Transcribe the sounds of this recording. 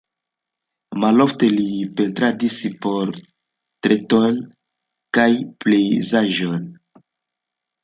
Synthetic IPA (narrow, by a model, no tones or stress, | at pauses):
malofte̞lipentɾadisipoɾ | tɾeton | kajple̞jzaʒon